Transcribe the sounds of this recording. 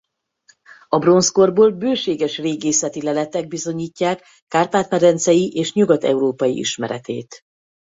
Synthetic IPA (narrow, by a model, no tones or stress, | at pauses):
ɒbro̞nsko̞rboːlbøːʃeːɡɛʃreːɡeːsɛt̪ilɛlɛt̪ɛɡ̚bizo̞ɲiːcːaːkː | aːrp̪aːt̪mɛɾɛnt̪sɛjiʔeːʃɲuɡɒt̪ɛ̰uɾoːpɒjḭʔḭʃmɛɾɛ̰t̪ḛːt̪